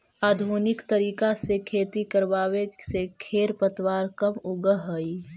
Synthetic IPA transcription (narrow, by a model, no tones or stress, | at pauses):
aːd̪ʱuːnɪkt̪əɾiːkasekʰeːt̪ikəɾʋaːwesekʰeːɾpət̪waːɾkɐmʊɡəɦəi